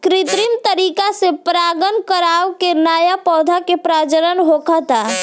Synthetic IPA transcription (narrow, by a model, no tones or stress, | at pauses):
kɾit̪ɾimt̪əɾikasepɾaɡənkəɾawkenajapɔːd̪ʱakepɾad͡ʒəɾənɦokʰət̪a